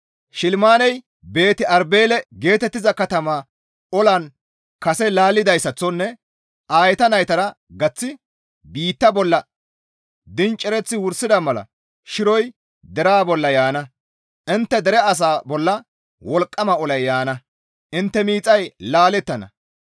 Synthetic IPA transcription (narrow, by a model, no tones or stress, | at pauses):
ʃɪlmaːnɛj | be̞ːt̪ɪʔɐɾbe̞ːlɛɡe̞ːt̪ɛt̪ːɪzɐkɐt̪ɐmaː | ɔlɐn | kɐsɛlaːlːɪd̪ɐjsːɐt͡sːɔnːɛ | ʔaːjɛt̪ɐnɐjt̪ɐɾɐ | ɡɐt͡sːɪ | biːt̪ːɐbɔlːɐ | d̪ɪnt͡ʃʼːɛɾɛt͡sːɪwʊɾsɪd̪ɐmɐlɐ̰ | ʃɪɾɔj | d̪ɛɾaːbɔlːɐjaːnɐ | ʔɪnt̪ːɛd̪ɛɾɛɐs̬aːbɔlːɐ | wɔlkʼːɐmɐɔlɐjjaːnɐ | ʔɪnt̪ːɛmiːt͡sʼɐjlaːlɛt̪ːɐnɐ̰